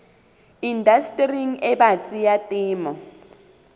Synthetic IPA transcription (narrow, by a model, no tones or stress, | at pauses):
indastʼriŋɛbat͡sʼijatʼɪːmɔ